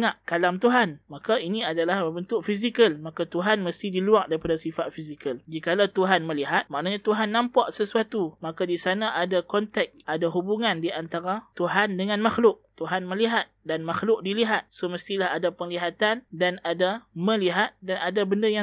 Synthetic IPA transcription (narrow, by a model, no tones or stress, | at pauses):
ŋaʔkalamt̪uɦanmakainiadalahbəbənt̪ʊkfis̬ikəlmakat̪uɦanməst̪idiluaʔ̚daɾipadasifat̪̚fisikəld͡ʒikalawt̪uɦanməliɦat̪̚maʔnaɲat̪uɦanːãmpaʔsəsuat̪umakadisanaʔadakɔnt̪ɛk̚ʔadaɦubuŋãndiʔant̪aɾat̪uɦandəŋãnmaxlʊʔ̚t̪uɦanmə̃liɦat̪̚danmaxlʊk̚diliɦat̪̚səməst̪ilahadapəŋliɦat̪andanadamə̃liɦat̪̚danadabəndaja